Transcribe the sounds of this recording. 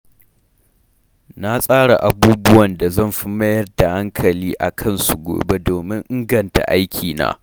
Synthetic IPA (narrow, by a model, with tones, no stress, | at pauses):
na˦sʼaː˦ɽa˨ʔa˨buː˦bʊ˦wɐ˨nda˨zɐ˦˨mɸɪ˦mɐ˦jɐ˦rda˨ha˦ŋkʰɐ˨liː˦ʔa̰˨kʰɐ˦nsu˨ɡʷo̰ː˨be˦doː˨mɪ˦ŋʔɪ˦ŋɡɐ˨nta̰˨ʔa˦jkʲʰiː˨na̰ː˦